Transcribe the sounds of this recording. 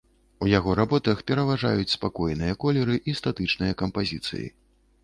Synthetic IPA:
ujaɣɔɾabɔt̪ɐxpʲɛɾɐvaʐa̰jut͡sʲspakɔjnɨjɐkɔlʲɛɾɨʔist̪at̪ɨt͡ʂnɨjɐkɐmpazʲit̪sɨ̰jḭ

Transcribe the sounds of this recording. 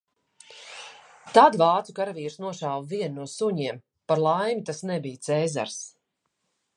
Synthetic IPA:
t̪ad̪vɑːt̪sukaɾaviːɾsnuɔʃaːwvviɛnːuɔsuɲiɛm | paɾlˠajmʲit̪asnɛbijt̪sɛːza̰ɾs

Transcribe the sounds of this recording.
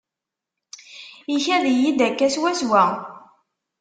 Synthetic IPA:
içæðijid̪ækːæswæswæ

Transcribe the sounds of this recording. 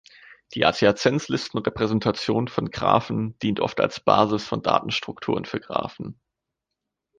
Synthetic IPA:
d̥iːʔa̰t͡siat͡sɛnt͡slɪstn̩ʁɛpʁ̥ɛzɛntʰat͡sjoːnfɔnɡʁa̰ːfn̩d̥iːntʔɔ̰fta̰lsb̥a̰ːzɪsfɔnda̰ːtn̩ʃtʁ̥ʊktʰuːʁənfyːɐɡʁa̰ːfn̩

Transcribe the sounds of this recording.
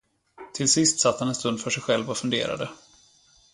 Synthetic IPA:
t̪ʰɪlsɪst̪sat̪ːhanɛnst̪ɵnd̪fœʂɛjɧɛlvɔfɵnd̪ḛːɾa̰d̪ə

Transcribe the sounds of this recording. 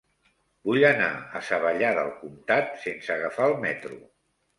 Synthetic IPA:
buʎəna̰əsəβəʎaðəlˠkumt̪at̪sensəɣafaəlˠmɛt̪ɾu

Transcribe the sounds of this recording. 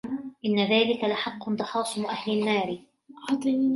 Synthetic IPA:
ʔɪnːaðaːlɪkalaħɑqːʊnd̪ˤɑħɑːsˤɪmʊʔahlɪnːaːɾɪ | ħɑt̪ˤ

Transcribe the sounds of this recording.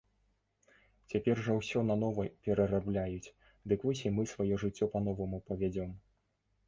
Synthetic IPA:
t͡sʲapʲɛrʐawsʲɔnanɔvɐpʲɛɾɐrablʲajut͡sʲ | d̪ɨkvɔsʲimɨsvajɔʐɨt͡sʲːɔpɐnɔvɐmupɐvʲad͡zʲɔm

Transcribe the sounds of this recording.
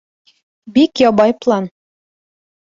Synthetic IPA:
bikjɒbɑjplˠɑn

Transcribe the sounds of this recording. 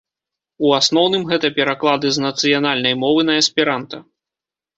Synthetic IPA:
uasnɔwnɨmɣɛt̪ɐpʲɛɾaklˠad̪ɨznɐt̪sɨjanalʲnɐjmɔvɨnɐɐsʲpʲiɾant̪ɐ

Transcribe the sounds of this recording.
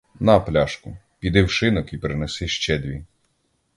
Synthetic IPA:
nɐplʲaʃkʊ | pʲid̪ɪwʃɪnɔkipɾɪnesɪʃt͡ʃɛd̪ʋʲi

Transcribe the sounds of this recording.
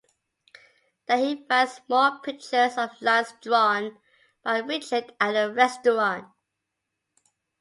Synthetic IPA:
ð̥əhifəsmɔlpʰɪk̚t͡ʃə˞səvlãnsdɹɔn | b̥aɪɹɪt͡ʃədəəɹɛstəɹɑ̃nt̚

